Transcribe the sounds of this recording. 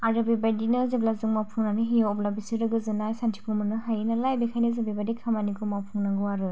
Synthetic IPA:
aɾɯbebajdinɯzeblazɯŋmawpʰuŋnaniɦijoɔblabisiɾɯɡɯzɯnajsantʰi̥pʰumɯnɯɦajnɯlajbekʰajnizebebadikʰamaniɡʰumawpʰuŋnaɡɯwaɾɯ

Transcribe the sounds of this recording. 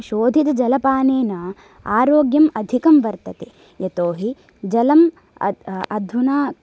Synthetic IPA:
ʃoːd̪ʱid̪ɐd͡ʒɐlɐpaːneːna | aːɾoːɡjɐmɐd̪ʱikɐmʋɐɾt̪ɐt̪eː | jɐt̪oːɦi | d͡ʒɐlɐm̰ | ɐd̪ʱʋunaː

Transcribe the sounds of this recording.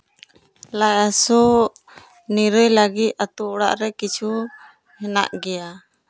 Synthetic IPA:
lajasɔ | niɾəjlaɡit̪̚ˀat̪uɔɽa̰ʔɾɛkit͡ʃʰu | hɛna̰ʔɡɛja

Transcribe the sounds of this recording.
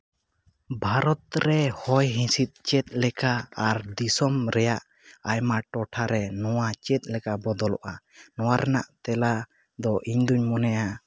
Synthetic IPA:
bʱaɾɔt̪̚ɾɛhɔjɦĩsit̪̚ˀt͡ʃɛt̪̚ˀlɛkaaɾd̪isɔmɾɛjaʔ | ajmaʈɔʈʰaɾɛnɔwat͡ʃɛt̪̚ˀlɛkabɔd̪ɔlɔ̰ʔa | nɔwaɾʔɛna̰ʔt̪ɛla | d̪ɔʔiɲd̪uɲmɔnɛja

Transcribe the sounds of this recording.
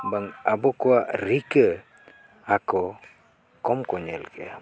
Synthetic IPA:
baŋabokoaɾikə | ako | komkoɲelkʰḛ

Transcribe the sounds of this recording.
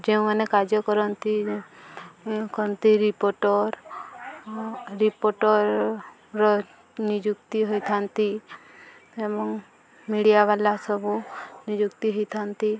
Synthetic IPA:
d͡ʒeũmanekad͡ʒɔkɔɾɔnt̪i | kɔɾɔnt̪iɾipoʈɔɾ | ɾipoʈɔɾ | ɾɔ | nid͡ʒuk̚t̪iɦojt̪ʰant̪i | ebɔŋ | miɽijaβalasɔbunid͡ʒukt̪iɦɔjt̪ʰant̪i

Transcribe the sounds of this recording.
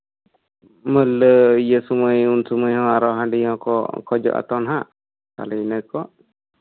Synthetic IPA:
mələijəsuməjunsuməjɦɔ̃aɾɔɦãɖihɔ̃kɔ̰kɔd͡ʒɔ̰ʔa̰t̪ɔnɦa | k̪a̰lɛnəkɔʔ

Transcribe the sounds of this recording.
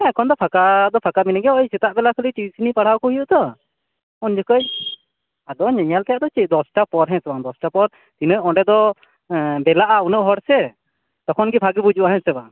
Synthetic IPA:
ɛ̃kʰɔnd̪ɔpʰakad̪ɔpʰakaminaɡɛəjsɛt̪aʔbɛlakʰəliʈibisinipaɽ̤awkɔɦijuʔt̪ɔ | ɔnd͡ʒɔkəj | ad̪ɔɲəɲalt̪ajaʔd̪ɔt͡ʃic̚ˀd̪ɔsʈapɔɾɦɛ̃sɛbad̪ɔsʈapɔɾ | t̪inəɔ̃ɖɛd̪ɔ | bɛlaʔaunəʔɦɔɾsɛ | t̪ɔkʰɔnɡibʰʱaɡibud͡ʒuʔaɦɛ̃sɛba

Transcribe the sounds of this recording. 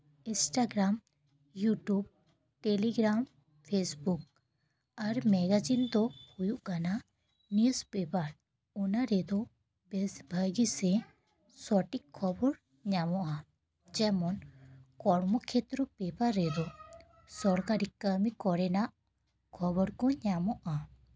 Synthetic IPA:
insʈaɡɾam | juʈub̚ | ʈeliɡɾam | pʰesbuk̚ | aɾmɛɡad͡ʒint̪ɔhujuʔɡana | niuspepaɾ | unaɾɛd̪ɔ | bbʱəɡisɛ | sɔʈikʰːɔbɔɾ | ɲamɔʔa | d͡ʒɛmɔnkɔɽmɔkʰet̪ɾɔpɛbaɾːɛd̪ɔ | sɔɾkaɾikəmikɔɾɛnaʔ | kʰɔbɔɾkɔɲamɔʔa

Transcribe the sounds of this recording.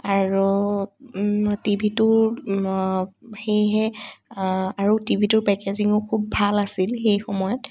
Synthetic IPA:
aɹu | tibʱitʊɹ | xejɦɛ | aɹotibʱitʊɹpɛkeziŋʊkʰubːʱalasilxejxɔmɔjɔt

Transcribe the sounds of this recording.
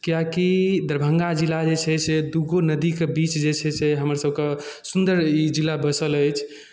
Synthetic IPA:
kijakid̪əɾbʱəŋɡad͡ʒilad͡ʒet͡ʃʰɛsʰed̪uɡonəd̪ikebit͡ʃd͡ʒet͡ʃʰɛseɦəməɾsəb̚kesund̪əɾid͡ʒilːabəsələjt͡ʃʰ

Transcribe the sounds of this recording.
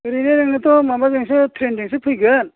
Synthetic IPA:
ɾineɾeŋnɯt̪ɔmambazeŋsɯtʰɾendeŋsɯpʰɯjɡɯn

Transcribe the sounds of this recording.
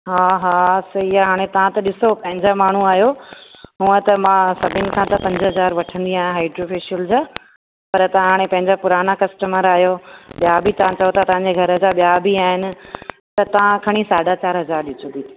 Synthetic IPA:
ɦaːɦaːsɐiaɦaːɽ̃ẽt̪ɐʋ̤ãt̪ɐɗɪsopɐ̃ɦɪ̃ɲd͡ʑamaːɳ̤uaːɦijoɦuːət̪ɐmãːsɐbʱɪnɪ̆kʰãt̪ɐpɐ̃ɲd͡ʑɦɐzaːɾʋɐʈʰə̃nd̪iaːjãɦaːɪɖɾoːfɪʃiəld͡ʑaː | pɐɾt̪ɐãɦaːɽ̃ẽpɐ̃ɦɪ̃ɲd͡ʑapʊɾaːnakɐsʈəməɾaːɦjoɓjabʱit̪ɐʋãt͡ɕɐjot̪ʰat̪ɐʋ̤ãɲd͡ʑeɡʱɐɾəd͡ʑaɓijabʱiaːɦɪnɪ̆ | t̪ɐt̪ɐʋ̤ãkʰɐɽ̃isaːɖat͡ɕaːɾɦɐzaːɾɗɪt͡ɕʰõd̪ʱit̪ː

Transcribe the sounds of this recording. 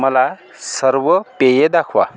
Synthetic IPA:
məla | səɾʋəpejed̪akʰʋa̰

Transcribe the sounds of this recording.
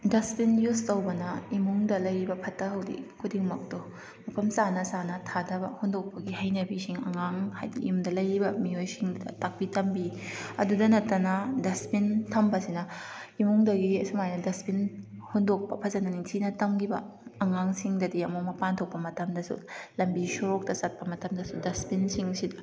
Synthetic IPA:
dɐspinjustɐwbɐnɐimuŋdɐlɐjɾibɐpʰɐtɐɦɐwdḭkʰudiŋmɐk̚tu | mɐpʰɐmsanɐsanɐtʰadɐbɐ̰hundok̚pɐɡihɐjnɐbisiŋɐ̰ŋaŋha̰jdḭjumdɐlɐjɾibɐmiojsiŋd̰tak̚pitɐmbiɐ̰dudɐnɐtːɐnɐdɐspintʰɐmbɐsinɐimuŋdɐɡiɐsumajnɐdɐspin | hundok̚pɐpʰɐzɐnɐnitʰinɐtɐmɡibɐ̰ː | ŋaŋsiŋdɐdiɐmukmɐpantʰok̚pːɐmɐtɐmdɐsṵlɐmbisoɾok̚tɐsɐt̚pɐmɐtɐmdɐsudɐspinsiŋsidɐ

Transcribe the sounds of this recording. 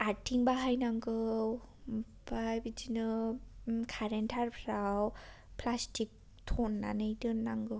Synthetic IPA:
aɾtʰiŋbaɦajnaŋɡɯw | baajbid͡ʒinɯ | kʰaɾentʰaɾpʰɾaw | pʰlastʰik̚ | tʰɔnːa̰nɯjdɯnːaŋɡɯ

